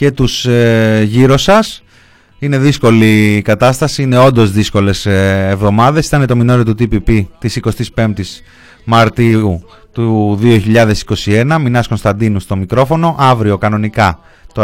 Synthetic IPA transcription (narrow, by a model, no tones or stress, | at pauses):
ce̞t̪useʝiɾosɐs | ine̞ðisko̞likɐt̪ɐst̪ɐsiine̞o̞nd̪o̞zðisko̞le̞sevðo̞mɐðe̞si̥t̪ɐnet̪o̞mino̞ɾiot̪ut̪ipipit̪isiko̞st̪ispe̞mt̪is | mɐɾt̪iu | t̪uðio̞çiʎɐðe̞si̥ko̞sie̞nɐminɐsko̞nst̪ɐnd̪inust̪o̞mikɾo̞fo̞no̞ʔɐvɾio̞kɐno̞nikɐ | t̪o